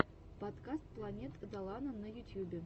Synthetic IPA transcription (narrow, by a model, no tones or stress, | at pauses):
pot̪kast̪̚plˠanʲet̪əd̪ɑlˠɑnənːəjut̪ʲjubʲɪ